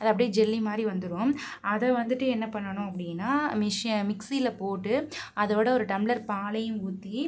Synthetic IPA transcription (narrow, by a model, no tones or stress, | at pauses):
ɐðɐpɐɽijd͡ʒɛlːimaːd̪ɾiʋɐnd̪ɯɾɯõːmɐðɐʋɐnd̪ɯʈːɯɛnːɐpɐɳːɐɳʊ̃ɐpːɐɽɪnːaːmɪʂmɪksilɐpoːʈːɯɐðoːɽɐɔɾɯʈɐmɪɭɐɾpaːlɐjɯ̃muːt̪ːi